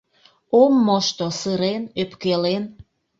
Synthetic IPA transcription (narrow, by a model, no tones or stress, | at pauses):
omːoʃt̪osɨɾenøpkelen